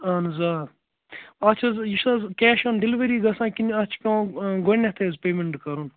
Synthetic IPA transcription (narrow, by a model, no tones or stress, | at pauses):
ɐnzaːɾ | ɐt͡ʃʰɐzjiʃɐzkɛːʃɐnɖiliʋɐɾiːɡɐsãːkinɐt͡ʃʰkʲõːɡonʲet̪ʰezpeːmeɳʈkɐɾun